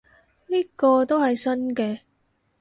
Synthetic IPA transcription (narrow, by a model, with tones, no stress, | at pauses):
liː˥kɔː˧t̪o˥whɐ˨jsɐ˥nkɛː˧